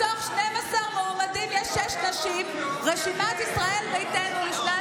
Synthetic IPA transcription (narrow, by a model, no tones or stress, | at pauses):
oχʃnemasaʁmeomadimjɛʃːeʃnaʃim | ʁeʃimat̪isʁae̞lmeit̪enujiʃna